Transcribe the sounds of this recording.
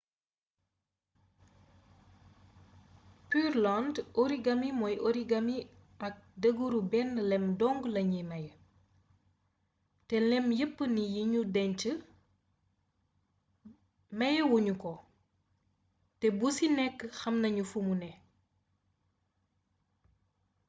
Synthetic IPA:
pyrlandoɾiɡɐmimɔjʔoɾiɡɐmi | ɐk̚dəɡuɾubɛnlɛmdɔŋɡlɐɲimɐjə | tɛlɛmjəpːənijiɲudɛɲt͡ʃə | mɐjəwuɲukɔ | tɛbusinɛkːxɐmnɐɲufumunɛ

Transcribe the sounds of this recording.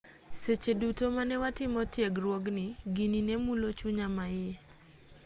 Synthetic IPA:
set͡ʃedutomanɛwatɪmɔtjeɡrwoɡnɪɡininemulot͡ʃuɲamaɪe

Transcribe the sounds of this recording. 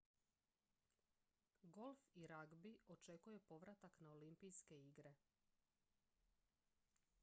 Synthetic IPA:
ɡo̞lˠfiɾaɡbio̞t͡ʃe̞kujepo̞ʋɾat̪aknaolimpijske̞iɡɾe̞

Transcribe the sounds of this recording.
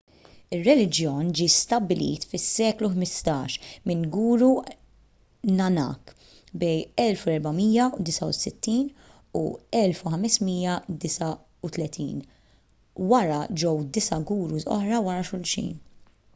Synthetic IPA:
ɪrːɛlɪd͡ʒjɔːnd͡ʒiːst̪ɐbːɪlḭːt̪fɪsːɛːkluħmɪst̪ɐːʃmɪnɡuːɾu | nɐnɐ̰ːk | bɛjɛlfuɛɾbɐmiːjɐud̪ɪsɐṵsɪt̪ːiːn | ṵɛlfuħɐmɛsmiːjɐd̪ɪsɐ | ut̪lɛt̪ʰḭːn | wɐɾɐd͡ʒɔwd̪ɪsɐɡuːɾuzɔ̰ħɾɐwɐɾɐʃʊlʃḭːn

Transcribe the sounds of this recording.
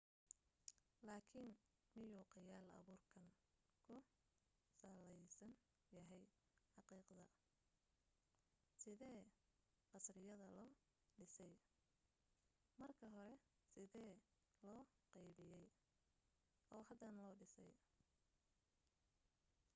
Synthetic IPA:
laːkʰɪn | mɪjuːqɑjaːlɐ̰βuːrkʰɐŋ | kʰʊ | saːlɛjsɐn | jɐɦɛj | ħɑqiːqðɐ | sɪðɛː | qɑsrɪjɐðɐlɔː | ɖɪsɛj | mɐrkʰɐɦɔɾɛ | sɪðɛː | lɔːqɛjβɪjɛj | ɔːɦɐd̪ɐnlɔːɖɪsɛ̰j

